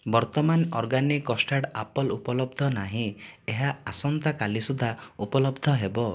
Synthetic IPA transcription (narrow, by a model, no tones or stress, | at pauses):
bɔɾt̪ɔmanɔɾɡanikːɔsʈaɽapɔlupɔlɔbd̪ʱɔnaɦĩeɦaasɔnt̪akalisud̪ʱaupɔlɔbd̪ʱɔɦebɔ